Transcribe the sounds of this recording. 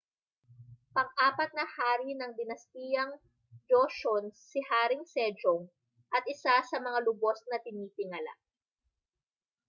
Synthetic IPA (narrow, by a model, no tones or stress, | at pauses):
pɐŋʔaːpɐt̪̚nɐhaːɾinɐŋd̪ɪnɐst̪iːjɐŋ | d͡ʒoʃonsɪhaːɾɪŋsɛd͡ʒoŋ | ʔɐt̪̚ʔɪsasɐmɐŋalʊbo̞snɐt̪ɪniːp̪ɪŋɐla̰